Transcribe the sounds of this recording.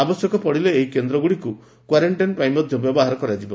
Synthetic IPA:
abɔsjɔkɔpɔɽileːɦikend̪ɾɔɡuɽiku | kwaɾeɳʈajnpɾajmɔt̪jɔbjɔbɔɦaɾɔkɔɾad͡ʒibɔ

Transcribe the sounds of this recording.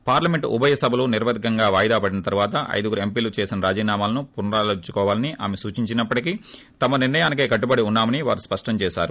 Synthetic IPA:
paːɾlɐme̞ɳʈṵbʱɐjɐsɐbʱɐluniɾʋɐd̪ʱikɐŋɡaːʋaːjd̪aːpɐɽinɐt̪ɐɾuʋaːt̪ɐʔɐ̰jd̪uɡuɾe̞mpiːlut͡ʃeːsinɐɾaːd͡ʒiːnaːmaːlɐnupunɐɾaːlɐt͡ʃːukɔːʋaːlɐniʔa̰ːmesuːt͡ʃiɲt͡ʃinɐpːɐʈikiː | t̪ɐmɐnirnɐjaːnik̬eːkɐʈ̬ːubɐɽiunːaːmɐniʋa̰ːɾuspɐʂʈɐmt͡ʃɛːʃa̰ːɾu

